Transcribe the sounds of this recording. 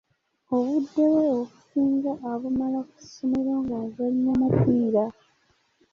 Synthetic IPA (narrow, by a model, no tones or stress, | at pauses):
oβudːewe̞oku̥siːŋɡaʔːβumalaku̥sːo̞me̞ɾoːŋɡazalɲamapiːɾa